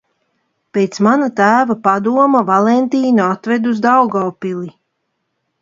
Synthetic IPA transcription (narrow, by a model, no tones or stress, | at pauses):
peːt̪smanat̪æːvapad̪uɔmavalˠɛnt̪iːnuat̪vɛd̪uzd̪awɡɔːpili